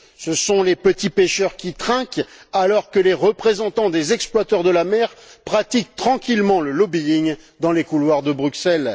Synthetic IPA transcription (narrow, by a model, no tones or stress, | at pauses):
səsɔ̃lepət̪ipeʃœʁkʲit̪χɛ̃kalɔʁkəleʁəpχezɑ̃t̪ɑ̃d̪ezɛksplwat̪œʁd̪əlamɛʁpχat̪ik̚t̪χɑ̃kʲilmɑ̃ləlɔbiiɲ | d̪ɑ̃lekulwaʁd̪əbʁyksɛl